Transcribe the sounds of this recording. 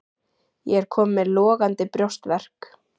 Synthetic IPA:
jɛɛɾ̥kʰɔːmːɛlɔːɣant̪ɪpɾjowst̪vɛr̥k

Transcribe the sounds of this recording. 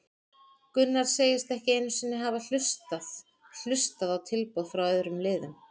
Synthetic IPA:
kʏnːaɾ̥seːjɪst̪ɛhcɪeːjnʏ̥sɪnːɪɦavaɬʏst̪að | l̥ʏst̪aðawt̪ʰɪlpoð̥fɾawœːðɾʏmlɪːðʏm

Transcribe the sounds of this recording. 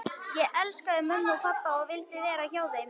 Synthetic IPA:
jɛʔɛlskaðʏmœnːawpʰapːaɔɣvɪlt̪ɪvɛːɾaçaːwðeːjn

